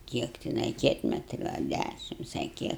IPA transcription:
ˈkʲiɛk tʲɪˈnɐɪ ˈkʲiɛtʲmʲɛtʲrʲʊ ɐ ˈdʲæʃʲɪms ɐ ˈkʲiɛk

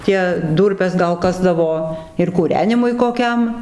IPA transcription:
ˈtʲiɛ ˈduːrʲpʲɛs ɡɐlˠ ˈkɑːzdɐʋoː ɪr kuːˈrʲæːnʲɪmʊɪ koːˈkʲɛm

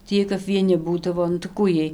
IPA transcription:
tʲiː ˈjiɛj kɐp ʋʲiɛˈnʲɪ ˈbuːdɐʋoː nʊ tɐɪ ˈkuː ˈjiɛj

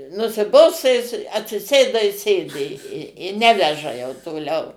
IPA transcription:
nʊsʲɪˈboːstɐ jɪs ɐtʲsʲɪˈsʲeːdɐ ɪ ˈsʲeːdʲɪ ɪ ˈnʲæːʋʲɛʒɐ jɛʊ toːˈlʲɛʊ

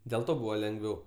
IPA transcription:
dʲeːlˠ ˈtoː ˈbuːʋɐ lʲɛŋɡˈʋʲɛʊ

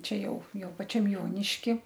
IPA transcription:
ˈt͡ʃʲɛ ˈjɛʊ ˈjɛʊ pɐˈt͡ʃʲɛm ˈjoːnʲɪʃʲkʲɪ

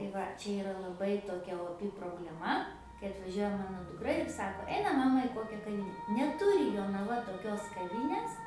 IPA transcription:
tɐɪ ˈʋɐ ˈt͡ʃʲɛ ɪˈrɐ lˠɐˈbɐɪ toːˈkʲɛ oːˈpʲɪ proːbʲlʲɛˈmɐ kɐɪ ɐtʋɐˈʒʲuɔjɛ ˈmɑːnoː dʊkˈrɐ ɪr ˈsɑːkoː ˈɛɪnɐm ˈmɑːmɐ ɪ ˈkoːkʲɛ kɐˈʋʲiːnʲɛ nʲɛˈtʊrʲɪ joːnɐˈʋɐ toːˈkʲoːs kɐˈʋʲiːnʲeːs

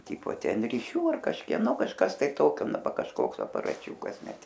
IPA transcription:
ˈtʲiːpoː ˈtʲɛn rʲɪˈʃʲuː ɐr kɐʃʲkʲiɛˈnoː kɐʃˈkɐs tɐɪ ˈtoːkʲoː ˈnɐ ˈʋɐ kɐʃˈkoːks ɐpɐrɐˈt͡ʃʲuːkɐs ˈnʲɛt

